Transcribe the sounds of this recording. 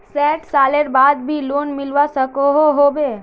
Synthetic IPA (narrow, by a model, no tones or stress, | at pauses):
sɛːʈsaːleɾbaːd̪̚bʱiloːnmɪlʋasɐkoɦoɦoːbeː